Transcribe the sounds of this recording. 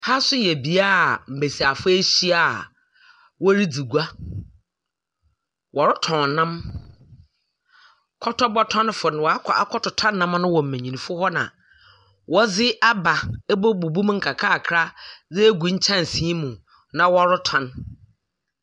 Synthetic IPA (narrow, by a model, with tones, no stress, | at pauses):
ha˦sʊ˦jɛ˨bi˨a˦˨m̩˨be˨si˨a˨fʊ˦e˦ɕi˦a˨ | wɔ˦ɾi˦d͡zi˨ɡu˦a˦ | wɔ˨ɾʊ˦tʰɔ̃˨nã˦m | kʰɔ˦tʰɔ˦bɔ˦tʰɔ̃˦n˦fʊ˨nɪ̃˨wɔ˨a˦kʰɔ˨a˦kʰɔ˦tʰɔ˨tʰã˦nːã˦m˦nʊ̃˦wɔ̃˨m̩˨mɛ̃˨ɲĩ˨nĩ˨fʊ˦hɔ˦nã̰˨ | wɔ˦d͡zɪ˦ʔa˦ba˨ɛ˦bɔ˦bu˨bu˦m˦ŋ̩˦kʰa˨kʰa˦˨kʰɾa˦zɛ˦ɡʷu˨ɲ̩˦t͡ɕʰã˦n˨sĩ˦mũ˨ | nã˨wɔ˦ɾʊ˦tʰɔ̃˦n